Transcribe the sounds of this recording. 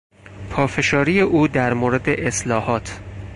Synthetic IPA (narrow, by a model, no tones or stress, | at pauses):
pʰɒːfe̞ʃɒːɾijeʔuːd̪æɾmoːɾe̞d̪e̞ʔeslɒːhɒːt̪ʰ